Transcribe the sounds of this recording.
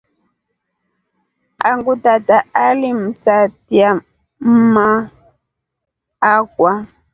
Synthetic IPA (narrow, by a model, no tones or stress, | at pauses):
aŋɡutataalim̩satia | ma | akwa